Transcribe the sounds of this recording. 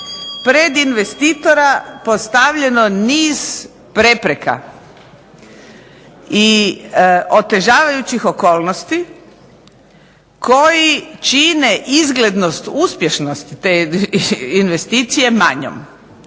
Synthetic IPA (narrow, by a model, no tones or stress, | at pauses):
pɾed̪inʋe̞st̪iːt̪o̞ɾapost̪aʋʎe̞no̞niːz | pɾe̞pɾe̞ka̰ | i | ʔo̞t̪e̞ʒaːʋajut͡ɕixo̞ko̞ːlˠnost̪i | kʰo̞jit͡ʃineʔizɡle̞d̪nost̪uspje̞ʃno̞st̪i̥t̪e | inʋe̞st̪iːt̪sije̞ma̰ɲo̰m